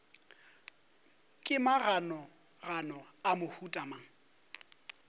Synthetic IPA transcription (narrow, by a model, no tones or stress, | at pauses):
kʼɪmaɣanɔ | ranɔamʊhutʼamaŋ